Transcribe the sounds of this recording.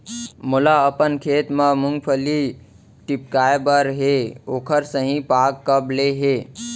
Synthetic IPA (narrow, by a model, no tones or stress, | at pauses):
mʊlaəpənkʰeːt̪mə̃mʊŋɡpʰəli | ʈɪp̚kaːebəɾɦeoːkʰəɾsəɦĩpaːkːəbleɦeː